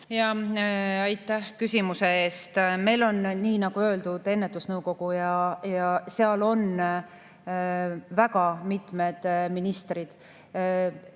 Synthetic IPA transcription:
jɑ | ɑjt̪ːˑæhkysʲimuse̞e̞ːst̪me̞jlo̞nniːnɑɡ̥uøːld̪ud̪̥e̞nːet̪ːˑusnɤwko̞ɡ̥ujɑjɑseɑlo̞n | vækɑmit̪me̞d̪̥minist̪rid̪̥

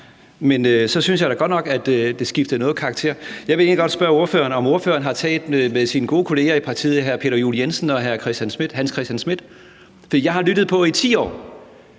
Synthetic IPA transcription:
menøsɒ̽synsjɑ̈ɪɾ̥æɡ̥ɒ̽d̥nɒ̽ɡ̥æd̥d̥e̝sɡ̥ifd̥ð̩nɔ̽ːð̩ˠkʰɑ̈ɡ̥t͡sʰe̝̰ːɐ̰jɑ̈ʋe̝e̝ːnliɡɒ̽d̥sb̥ɶɐo̝ɐfø̰ːɐnɒ̽mo̝ɐfø̰ːɐn̩ɦɑ̈t͡sʰɛ̰ːld̥meðˠsinəɡ̥o̝ːkʰo̝le̝ːɐipʰɑ̈t͡sʰḭːð̩ˠɦæɐpʰe̝ːɾ̥ɐjuːlijensn̩ɒ̽ɦæɐkʰʁɛsd̥jænsmid̥ɦænskʰʁɛsd̥ænsmid̥ | fɒd̥ḭːjɑ̈ɪhɑ̈lyɾ̥ð̩ˠpʰɒ̽it͡sʰḭːɒ̰ː

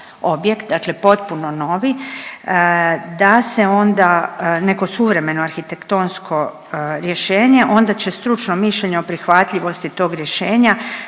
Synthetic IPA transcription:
o̞bje̞kt̪̚d̪akle̞po̞t̪̚puno̞no̞ʋi | d̪ase̞o̞nd̪ane̞ko̞suʋɾe̞me̞noaɾxit̪ekt̪o̞nsko̞ | ɾje̞ʃe̞ːɲe̞ʔo̞nd̪at͡ɕe̞st̪ɾut͡ʃno̞miʃʎeɲeopɾixʋat̪ʎʲiʋo̞st̪it̪o̞ːɡɾje̞ʃe̞ːɲa

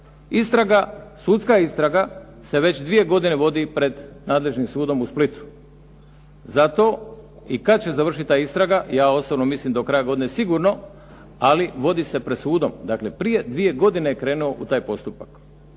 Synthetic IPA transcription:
ist̪ɾaɡasuːd̪skaist̪ɾaɡa | se̞ʋe̞t͡ɕd̪ʋije̞ɡo̞d̪ineʋo̞d̪ipɾe̞d̪naːd̪le̞ʒnimsuːd̪o̞musplit̪u̥ | zat̪o̞ | ikad̪̚t͡ɕe̞zaʋr̩ʃit̪it̪ːaːist̪ɾaɡajaːosobnomislimd̪okɾajaɡo̞d̪inesiɡuɾno̞ | aliʋo̞d̪ise̞pɾe̞d̪suːd̪o̞md̪aːkle̞pɾije̞d̪ʋije̞ɡo̞d̪inejekɾe̞ːnuo̞ʔut̪aːjpo̞st̪upak

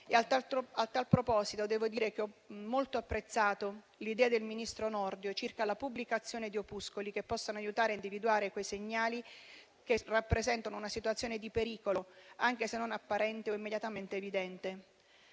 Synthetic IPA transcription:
eaaalt̪alpɾopɔːzit̪od̪ɛːvod̪iːɾek̟eɔmːolt̪oapːɾet̪sːaːt̪o | lid̪ɛːad̪elminist̪ɾonɔrd̪jot͡ʃirkalapubːlikat̪sːjoːned̪iopuskolikepːɔsːanoajut̪aːɾeaind̪ivid̪uaːɾekwejseɲːaːli | kerapːɾezɛnt̪anounasit̪wat̪sːjoːned̪ipeɾiːkoloaŋk̟esenːonapːaɾɛnt̪eoimːed̪jat̪ament̪eːvid̪ɛnt̪e

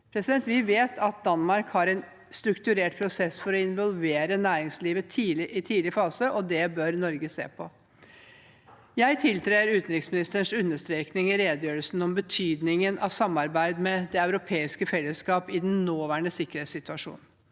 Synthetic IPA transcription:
pʰɾɛsɪd̪ɛnt̪ʋɪʋeːt̪ʰɑt̪̚d̪ɑnmɑɾkhɑɾɛɪn | st̪ɾʉkt̪ʉɾeːʈpʰɾʊsɛsfɔɾɔɪnʋɔlˠʋeːɾənæːɾɪŋsliːʋət̪ʰiːlɪʔɪt̪ʰiːlɪəfɑːsəʔɔd̪ɛbœɾnɔɾɡəsḛːpʰɔ | jæɪt̪ʰɪlt̪ʰɾeɪəɾʉːt̪n̩ɾɪksmɪnɪst̪əɳʂʉnːəʂt̪ɾeːknɪŋɪɾeːd̪əjøːɾəlsn̩ɔmbət̪ʰyːd̪nɪŋənʔɑ̰sɑmːɑɾbæɪd̪mɛd̪ɛɑʉɾʊpʰeːɪskəfɛlːəskɑːpɪd̪ɛnnoːʋæːɳəsɪkːəɾheːt̪sɪt̪ʉɑʂṵːnn̩

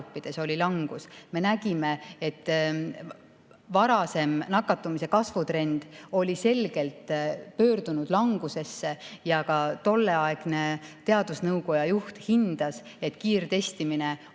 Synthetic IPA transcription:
pːid̪̥e̞so̞lilɑŋɡ̥usme̞næɡ̥ime̞et̪ˑː | vɑɾɑse̞mnɑkːˑɑt̪ːˑumise̞kɑsvut̪re̞nd̪̥o̞lʲise̞lɡ̥e̞lt̪pø̞ːɾd̪̥unud̪̥lɑŋɡ̥use̞sːe̞jɑkɑt̪o̞lːe̞ɑeɡ̥ne̞t̪e̞ɑd̪usnɤwko̞jɑjuht̪hind̪̥ɑs | e̞t̪ːkiːrt̪e̞st̪imine̞

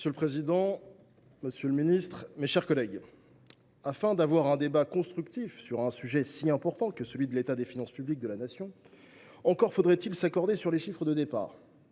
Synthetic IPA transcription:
məsjøləpχezid̪ɑ̃ | məsjøləminist̪χmeʃɛʁkɔlɛɡ | afɛ̃d̪avwaʁɛ̃d̪ebakɔ̃st̪χykt̪ifsyʁɛ̃syʒɛsiɛ̃pɔʁt̪ɑ̃kəsəlɥid̪əlet̪ad̪efinɑ̃spyblik̚d̪əlanasjɔ̃ | ɑ̃kɔʁfod̪ʁɛt̪ilsakɔʁd̪esyʁleʃifχəd̪əd̪epa̰ːʁ

